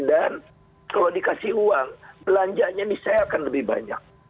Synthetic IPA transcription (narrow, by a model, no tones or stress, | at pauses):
dan | kalawdikasihuaŋbəlaɲd͡ʒaʔɲabisaakanləbɪhba̰ɲa̰k̚